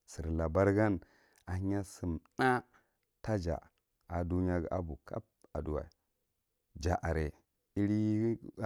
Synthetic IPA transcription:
si˨ɾla˨ba˦ɾɡa˦n | a˨hi˦ɲa˦si˨mna˦ | ta˦d͡ʒa̰˨ | a˨du˦ɲ˦a˦ɡʔa̰˦bu˨ka˦p̚a˨du˦wa̰˨i˨ | d͡ʒa˨ʔa˨ɾe˨ | i˦ɾi˦

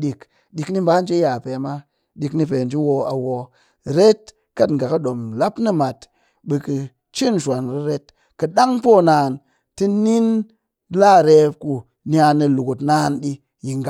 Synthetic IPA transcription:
ɗi˨k | ɗi˧kni˦m̩ba˦n̩˦d͡ʒi˦ja˨pe˨ma˦ | ɗi˧kni˧pe˨n˨d͡ʒi˦wo˧a˨wo˧ | ɾe˦t̚ | ka˦tŋ̩˨ɡa˨ka˦ɗo˨mla˦pnɨ˦ma˨t | ɓe˧kɨ˧ | t͡ʃi˦n˨ʃʷa˨nɾi˧ɾe˦t̚ | kɨ˧ɗa˦ŋpo˦˨naː˨n | tɨ˦ni˦n | la˦˨ɾe˧pku˧ | nja˧nːɨ˧lu˨ku˨tnaː˧˦nɗi˧ | ji˨ŋɡa˨

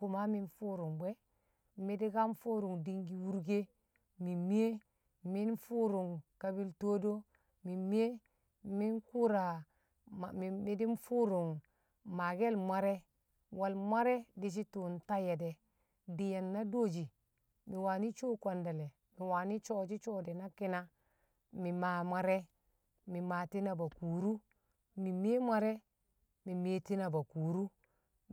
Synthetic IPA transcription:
ku˨ma˦mi˦nfu˦ɾu˨ŋbe˦ | mi˦di˦ɡa˦m˦fu˦ɾu˨ŋdi˦ŋɡi˨wu˦ɾɡe˦ | mi˨mi˦e˦ | mi˦nfu˦ɾu˨ŋka˦bi˦lto˦do˦ | mi˨mi˦e˦ | mi˦nku˦ɾa˨ | a˨mi˨mi˦di˦m˦fu˦ɾu˨ŋ | ma˨ɡe˦lma˦ɾe˦ | wa˨lma˦ɾe˦di˦ʃ̬i˦tu˨n˨ta˦je˨de˨ | di˨ja˨nːa˦do˦d͡ʒi˨ | mi˨wa˨ni˦t͡ʃo˦kwa˨nda˨le˨ | mi˨wa˨ni˦t͡ʃo˦d͡ʒi˦t͡ʃo˦de˨na˦ki˦na˦ | mi˨ma˨mʷa˦ɾe˦ | mi˨ma˨ti˦na˨ba˨kuː˨ɾu˦ | mi˨me˦mʷa˦ɾe˦ | mi˨meː˨˦ti˦na˨ba˨kuː˨ɾu˦

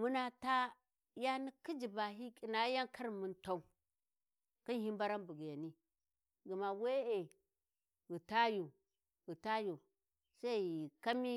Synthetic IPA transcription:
mu˦na˦ta˦ | ja˦ni˦ki˦d͡ʒi˨ba˨ɦi˦kʼi˨na˨˦ja˦ŋkʰa˦ɾmu˨nta˦u˦ | ki˦n˦hi˦mba˦ɾa˦mbu˨ɡi˨ja˨ni˦ | ɡu˨ma˨we˦e˨ | ɣu˨ta˦ju˨ | ɣu˨ta˦ju˨ | sa˦i˨ka˦mi˦

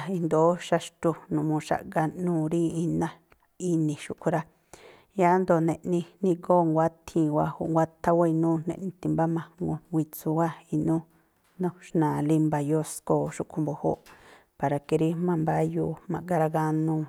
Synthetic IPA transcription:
i˧nd̪o˨˦ʃa˧ʃt̪u˧nũ˨mũ˧ʃa̰˧ʔɡa˧nũː˦˧ɾĩ˦i˧nã˦ | i˧nĩ˨ʃu˧ʔkʰʷu˧ɾa˧ | ja˦nd̪o˧˨nẽ˧ʔnĩ˧nĩ˧ɡoː˦ŋɡʷa˦t̪ʰĩ˧˨wa˧ho̰˧ʔŋɡʷa˦t̪ʰa˦wa˦i˧nũː˦nḛ̃˧ʔnĩ˧t̪i˧˨mba˦mã˧ŋɡo˧wʷi˧t͡su˧wa˦i˧nũ˦ | nõ˦ʃnãː˨li˧mba˧jo˧˦sko˧˨ʃu˧ʔkʷʰu˧mbo˨ho̰˦ʔ | pa˨ɾa˨ke˧ɾi˦mã˧mba˦juː˧mã̰˧ʔɡa˧ɾa˧ɡa˧nũ˧

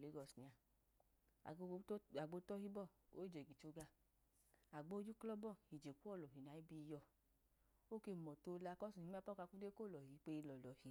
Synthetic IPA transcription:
le˨˦ɡɔ˧˨sni˨˧a˧˨˧ | a˨ɡ͡bo˧˦tɔ˦hi˦bɔ˦˨o˦˨d͡ʒe˨ɡi˨t͡ʃo˧ɡa˧ | a˨ɡ͡bo˦d͡ʒu˦klɔ˦bɔ˦˨hi˨d͡ʒe˨ku˦ɔ˦˨lɔ˨ɦi˨na˨˦i˦bi˧jɔ˧˨ | o˦ke˧˨mɔ˨to˧˦la˧kɔ˦su˨i˧˦a˦pɔ˦ka˧ku˦de˦ko˦˨lɔ˨hi˨˦k͡pe˧i˧lɔ˨lɔ˨hi˨

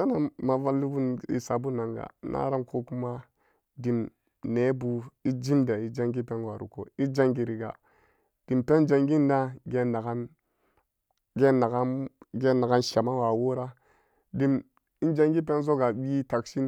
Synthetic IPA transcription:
a˦na˨ma˨va˦lːi˦bu˦nḭ˨sa˨bu˦na˨ŋɡa̰˨˦nʔa̰˦ɾa˦mkʰo˦ku˦ma˦ | di˨m | ne˨˦bu˨i˦d͡ʒi˦mda˨i˦d͡ʒa˦ŋɡi˦pe˦nwa˨ɾṵ˨ko̰˨i˦d͡ʒa˦ŋɡi˨ɾi˨ɡa̰˨ | d̥i˨mpe˦nd͡ʒa˨ŋɡi˦nda˦ɡe˦nːa˨ɡa˦n | ɡe˦na˨ɡa˦ɡe˦na˨ɡa˦nʃa˨ma˦wa˨wo˦ɾa˦ | di˨m | i˦nd͡ʒa˦ŋɡi˦p̬e˦nzo˦ɡa˨ɓi˦ta˨kʃi˦n

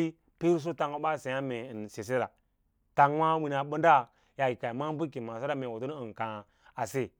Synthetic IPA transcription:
i˦ | pi˦ɾs̬o˦ta˨ŋo˨˦ba˦˨se˨ja˦me˨nse˨s̬e˦ɾa˨ | ta˨ŋ˦wa˦wi˦na˨bə˦nda˦ | ja˨i˨ka˨i˨ma˦bu˦ki˨ma˨s̬a˦ɾa˦me˨wo˨tu˦n˦i˨n˨ka˨ | a˨se˦˨

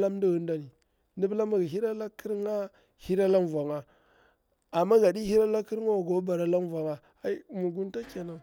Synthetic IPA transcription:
la˦m˦du˦ɣu˦n˦da˦ni˨ | ndi˦bla˦ma˨ɡa˨ɦi˦ɾa˦la˦ki˦ɾŋa˦ | hi˦ɾa˦la˦m˨va˨ŋa˨ | a˨mːa˦ɡa˨di˦hi˦ɾa˦la˦ki˦ɾŋa˦˨ɡo˦ba˨ɾa˦la˦m˦va˨ŋa˨ | a˦i˦mu˨ɡu˦nta˦ka˨na˨

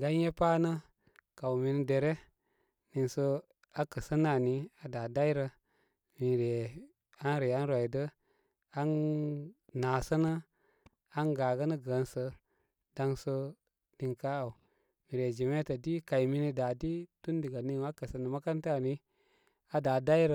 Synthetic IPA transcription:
ɡa˦n˦je˦paː˦nə˦ | ka˨wmi˨ni˦de˨ɾe˦ | ni˨nsə˧ | a˦kə˨sə˦na˦˨ni˦a˨da˨da˦jɾə˧ | mi˨ɾe˨ | a˦nɾe˨a˦n˦ɾo˨i˨də˦ | a˦n | na˨sə˦nə˦ | a˦nɡa˨ɡə˦nə˦ɡə˨˦nsə˧ | da˧ŋsə˧ | ni˨ŋka˦a˨u˨ | mi˨ɾe˨d͡ʒi˨me˦ta˨di˦ka˨jmi˦ni˦da˨di˦tu˦n˦di˨ɡa˨ni˦na˦kə˨sə˨nə˨ma˦ka˦nta˦˨ni˦ | a˦da˨da˦jɾə˦

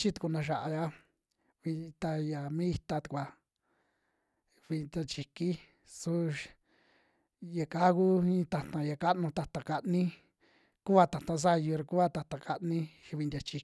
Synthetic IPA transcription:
t͡ʃi˦t̪u̥˧ku˧nã˧ʃ̬a˨ʔa˧ja˦ | βi˧t̪a˧ja˨mĩ˦i˧t̪a˧t̪u̥˧kʷa˨ | βi˧nd̪ʲa˧t͡ʃi˨ki˦ | su˦ | ja˨ka˦ku˦ĩ˦t̪a˧t̪ã˧ja˨ka˦ʔnũ˧t̪a˧t̪a˨ka˧ʔnĩ˦ | ku˦βa˧t̪a˨t̪ã˧s̬a˦˧ju˧ɾa˧ku˦a˧t̪a˧t̪a˨ka˧ʔnĩ˦ʃi˧βi˧nd̪ʲa˧t͡ʃi˧

